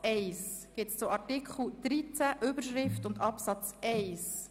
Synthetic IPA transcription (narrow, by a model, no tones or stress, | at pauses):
ɛɪsɡ̥ɪtst͡sʊmɑɾtikχl̩d̥ɾit͡sæʔʏbəɾʃʁɪftʊndɑpsɑt͡sɛɪs